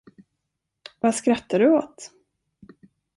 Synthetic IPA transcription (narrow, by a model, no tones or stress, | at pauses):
vaskɾat̪ːaɖɵoːt̪